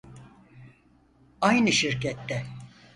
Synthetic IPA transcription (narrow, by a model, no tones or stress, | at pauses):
ajnɯʃiɾcɛt̪ːɛ